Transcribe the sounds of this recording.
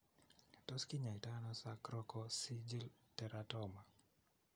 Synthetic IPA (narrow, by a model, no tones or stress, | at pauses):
tɔskiɲaitanɔsakɾɔkɔsid͡ʒiltɛɾatɔma